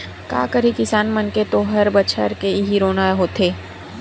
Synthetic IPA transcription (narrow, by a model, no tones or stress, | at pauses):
ka̰ːkəɾikɪsaːnmɐnket̪oɦɐɾbɐt͡ʃʰə̰ɾkeɦiɾoːnaɦoːt̪ʰeː